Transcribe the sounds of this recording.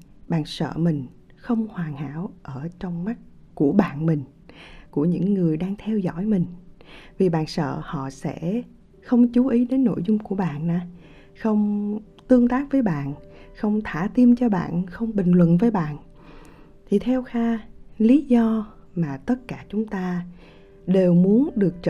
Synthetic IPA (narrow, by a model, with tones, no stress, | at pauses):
ɓa̰ː˧˨nsə̰ː˧˨mï˨˩ŋ̟ | xə˧wŋ͡mhwaː˨˩ŋha̰ː˧˥˨wʔəː˧˩t͡ɕɔ˧wŋ͡mma˦˥k̚ | ku˧˩əɓa̰ː˧˨nmï˨˩ŋ̟ | ku˧˩əɲɨ̰˧˥ŋːɨ˨˩əjɗaː˧ŋt̪ʰɛ˧wzɔ̰˧˥˨jmï˨˩ŋ̟vi˨˩ɓa̰ː˧˨nsə̰ː˧˨hɔ̰˧˨sɛ̰˧˥ | xə˧wŋ͡mt͡ɕu˨˦ʔi˨˦ɗe˨˦nːo̰˧˨jzʊ˧ŋ͡mku˧˩əɓa̰ː˧˨nːaː˨˩ | xə˧wŋ͡m | t̪ɨ˧əŋt̪aː˦˥k̚vəː˨˦jɓa̰ː˧˨nxə˧wŋ͡mt̪ʰaː˧˩t̪i˧mt͡ɕɔ˧ɓa̰ː˧˨nxə˧wŋ͡mɓï˨˩ŋ̟lwə̰˧˨nvəː˨˦jɓa̰ː˧˨n | t̪ʰi˨˩t̪ʰɛ˧wxaː˧li˨˦zɔ˧ | maː˨˩t̪ə˦˥t̚kaː˧˩t͡ɕʊ˨˦ŋ͡mt̪aː˧ | ɗe˨˩wmu˨˦ənɗɨ˨˩ək̚t͡ɕə˧